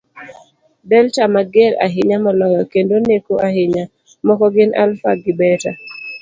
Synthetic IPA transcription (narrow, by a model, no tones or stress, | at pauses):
dɛltamaɡeɾa̰ɦɪɲamɔlɔjɔkendonekoʔaɦɪɲa | mɔkɔɡɪna̰lfaɡɪbɛta